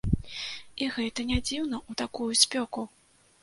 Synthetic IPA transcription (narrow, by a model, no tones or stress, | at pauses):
iɣɛt̪ɐnʲad͡zʲiwnɐʔut̪akujusʲpʲɔku